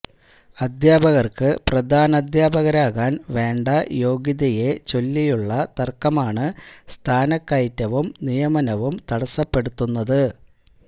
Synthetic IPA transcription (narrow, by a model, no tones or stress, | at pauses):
ɐd̪jaːbɐɣɐrkɨprɐd̪ʱaːnɐd̪jaːbɐɣɐɾaːɣaːnʋe̞ːɳɖɐjo̞ːɡjiðɐje̞t͡ɕo̞lːijuɭːɐt̪ɐrkːɐmaːɳɨst̪ʰaːnɐkːɐjtːɐʋumnijɐmɐnɐʋumt̪ɐɽɐsːɐpːe̞ɽut̪ːunːɐðɨ